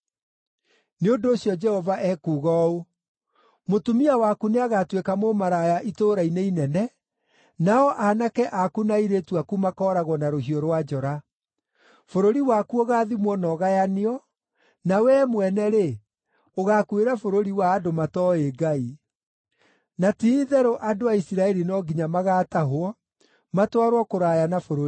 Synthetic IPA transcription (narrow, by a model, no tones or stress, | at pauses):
neondoːɕijɔd͡ʒɛhɔvaʔɛkuːɣɔo | motumiawakuneaɣatwekamomaɾajaʔitoːɾaineinɛnɛ | naɔʔanakɛʔakunaiɾetuakumakɔːɾaɣwɔnaɾohioɾwad͡ʒɔɾa | foɾoɾiwakuoɣaːðimwɔnɔɣajaneɔ | nawɛːmwɛnɛɾe | oɣaːkweɾafoɾoɾiwaːdomatɔeɡai | natiðɛɾoʔadoaisiɾaɛɾinɔɡiɲamaɣaːtaɦwɔ | matwaɾwakoɾajanafoɾoɾi